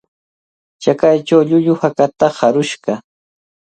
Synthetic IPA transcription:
t͡ʃakajt͡ʃawʎʊʎʊhakat̪ahaɾʊʃɢɑ

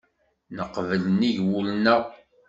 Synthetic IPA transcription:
nəqːvələniʝwulnəʁ

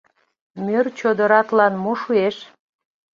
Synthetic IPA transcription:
mʲørt͡ɕod̪əɾɑt̪lɑnmoʃueʃ

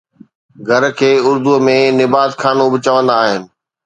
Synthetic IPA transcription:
ɡʱɐɾkʰeːʊɾd̪umẽnɪbaːt̪kʰaːnobɪt͡ɕɐʋə̃nd̪aːɦɪnɪ̆

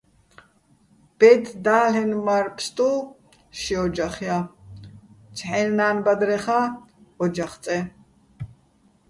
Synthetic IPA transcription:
b̥ɛt̪ʰd̪aːlɛnmaɾpʰst̪ʼu | ʃiɔd͡ʒaχja | t͡ʃʰħɛnnaːnbad̪ɾɛχaɔd͡ʒaχt͡s̪ʼɛ

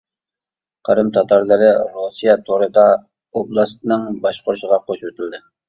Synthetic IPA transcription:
qʰəɾɨmt̪ʰɑt̪ʰɑɾlˠɨɾɨɾosijɑt̪ʰoɾɨd̪ɑ | oblˠɑst̪ɨnɨŋbɑʃqʊɾʃəʁɑqʰoʃwet̪ʰɪld̪ɪ

